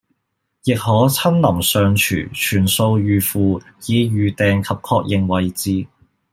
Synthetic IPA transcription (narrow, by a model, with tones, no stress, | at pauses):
jɪ˨k̚hɔː˨˥t͡sʰɐ˥nlɐ˨˩msœː˨˧ŋt͡ʃʰy̰ː˨˩t͡ʃʰyː˨˩nso˧wjyː˨˧fuː˨˧ | jiː˨˧jyː˨t̪ɛː˨ŋkʰɐ˨p̚kʰɔː˧k̚jɪ˨ŋwɐ˨jt͡siː˧